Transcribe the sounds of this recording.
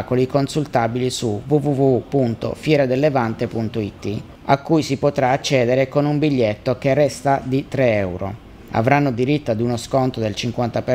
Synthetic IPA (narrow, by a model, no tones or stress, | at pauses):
kolikonsult̪aːbilisuvuvuvuupunt̪o̰fjɛːɾad̪elːevant̪epunt̪oit̪ːi | akːujsipot̪ɾaːt͡ʃːɛːd̪eɾekonumbiʎːet̪ːokerːɛst̪ad̪it̪ɾeɛwɾo̰ | a̰vɾanːod̪iɾit̪ːad̪unoskont̪od̪elt͡ʃiŋkwant̪ape